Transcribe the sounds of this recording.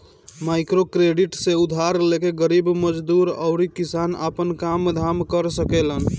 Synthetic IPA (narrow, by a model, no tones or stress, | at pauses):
majkɾokɾeɖiʈseud̪ʱaɾlekeɡəɾibməd͡ʒd̪uɾə̰ʊɾikisana̰pənkamd̪ʱamkəɾsəkelən